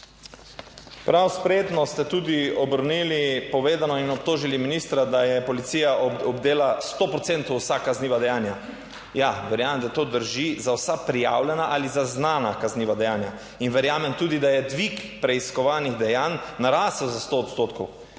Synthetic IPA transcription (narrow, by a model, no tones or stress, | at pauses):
pɾawspɾeːt̪nɔst̪ɛt̪uːd̪iɔbəɾnilipɔʋeːd̪anɔinɔp̚t̪oːʒiliminist̪ɾad̪ajɛpɔlit̪sijaɔbd̪eːlast̪opɾɔt̪sent̪ɔwsakːazniːʋad̪ɛjaːnja | jaʋɛɾjaːmɛmd̪at̪oːd̪əɾʒizawsapɾija̰wlʲɛnaʔalizaznaːnakazniːʋad̪ɛjaːnja | inʋɛɾjaːmɛmt̪uːd̪id̪ajɛd̪ʋikpɾɛiskɔʋaːniɣd̪ɛjanːaɾaːsəwzast̪oːt̪st̪oːt̪kɔw